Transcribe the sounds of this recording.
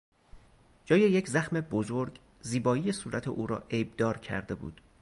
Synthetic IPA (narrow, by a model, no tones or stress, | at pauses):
d͡ʒɒːjejecʰzæxme̞bozoɾɡ | ziːbɒːijesuːɾæt̪ʰḛʔuːɾɒ̰ːʔejb̚d̪ɒːɾcʰæ̰ɾd̪e̞bṵːd̪̥